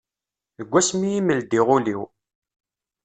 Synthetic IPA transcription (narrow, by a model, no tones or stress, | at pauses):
əɡʷːæsmijiməld̪iʁʊliw